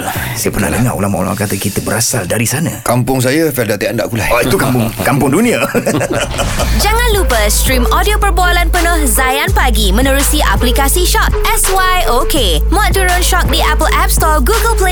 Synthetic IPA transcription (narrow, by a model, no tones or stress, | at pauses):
sajəpərna̰hləŋa̰ʔo̰lama̰ʔo̰la̰ma̰kat̪akit̪əbəɾasaldaɾisanakampʊŋs̬ajəfɛldat̪ianda̰ʔkulaɔit̪ukampʊŋkampʊŋdunĩa | d͡ʒaŋãnlupəst̪ɾimɔdiopərboalanpənɔhzajanpaɡimə̃nəɾusiʔa̰plikasiʃɔt̪̚ɛswajʔoke | mɔ̃t̚t̪uɾonʃɔk̚diʔapəlʔɛp̚st̪ɔɡuɡəlple